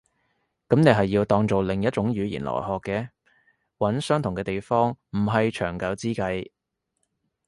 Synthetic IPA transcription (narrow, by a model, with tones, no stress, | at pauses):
kɐ˨˥mne˨˧jɦɐ˨jːiː˧wt̪ɔː˧ŋt͡so˨wlɪ˨˩ŋjɐ˥t̚t͡ʃʊ˨˥ŋjyː˨˥jḭ˨˩nlɔ̰ː˨˩jhɔː˨˧kːɛː˧ | wɐ˨˥nsœː˥ŋt̪ʰʊ˨˩kɛː˧t̪e˨jfɔː˥ŋm̩˨˩ɦɐ˨jt͡ʃʰœː˨˩ŋkɐ˨˧wt͡siː˥kɐ˧j